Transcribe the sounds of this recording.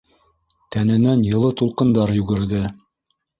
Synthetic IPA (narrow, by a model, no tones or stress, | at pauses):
t̪ænɘ̆nænjɤ̆lˠɤt̪ulˠqɤ̆nd̪ɑɾjʉɡɘ̆ɾðɘ